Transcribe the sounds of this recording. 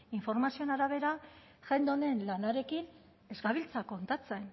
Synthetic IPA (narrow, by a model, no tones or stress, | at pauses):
iɱfo̞ɾmasio̞naɾaβ̞e̞ɾa | ʝe̞nd̪one̞nlanaɾe̞kin | e̞zɡaβ̞ilt͡sako̞nt̪at͡se̞n